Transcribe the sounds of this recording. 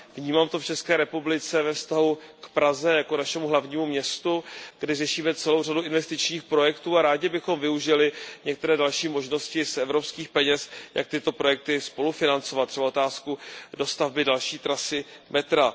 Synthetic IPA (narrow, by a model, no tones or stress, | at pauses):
vɲiːmaːmt̪o̞ft͡ʃɛskɛːɾɛpublɪt͡sɛvɛfst̪aɦukpɾazɛjakonaʃɛmuɦlavɲiːmumɲɛst̪uɡ̥dɪrɛʃiːmɛt͡sɛlo̞wraduʔɪnvɛst̪ɪt͡ʃɲiːxpɾo̞jɛkt̪uːaɾaːɟɪbɪxo̞mvɪuʒɪlɪɲɛk̚t̪ɛɾɛːdalʃiːmo̞ʒno̞scɪsʔɛvɾo̞pskiːxpɛɲɛsja̰k̚t̪ɪt̪o̞pɾo̞jɛk̚t̪ɪspo̞lufɪnant͡so̞vat̪ːrɛbao̞t̪aːskudo̞st̪avbɪdalʃiːt̪ɾasɪmɛt̪ɾa